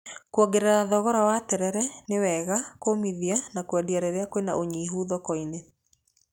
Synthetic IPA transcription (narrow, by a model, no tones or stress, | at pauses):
kwɔɡeɾeɾaðɔɣɔɾawatɛɾɛɾɛnewɛɣakomiðianakwadiaɾeɾeakowena̰ʔoɲiːɦuːðɔkɔine